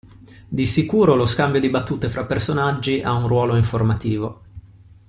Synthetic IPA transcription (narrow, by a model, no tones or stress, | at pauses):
d̪isikuːɾoloskambjod̪ibat̪ːuːt̪efɾapːersonad͡ʒːiʔaunrwɔːloiɱformat̪iːvo